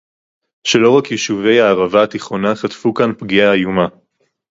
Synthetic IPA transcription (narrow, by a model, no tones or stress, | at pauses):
ʃelo̞ʁakjeʃuve̞jaːʁavaːt̪iχonaχat̪fukanpɡiaːjuma